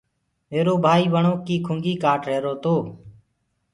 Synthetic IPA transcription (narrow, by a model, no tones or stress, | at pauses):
eːɾoːbʱaːiːʋəɳoːkiːkʰʊŋɡiːkaːʈɾeːɾoːt̪oː